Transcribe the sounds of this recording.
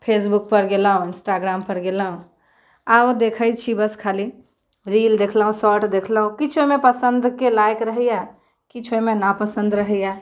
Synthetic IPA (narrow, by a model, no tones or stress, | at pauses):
pʰeːsbʊk̚pəɾɡelaːɦõɪ̃nsʈaːɡɾaːmpəɾɡeːlaːɦũ | aod̪eːkʰəjt͡ʃʰibəskʰaːli | ɾiːld̪eːkʰləɦũsɔːʈd̪eːkʰləɦũkɪt͡ʃʰomẽpəsə̃nd̪kelaːɪkɾəɦija | kɪt͡ʃʰomẽnapəsə̃nd̪ɾəɦɛjaː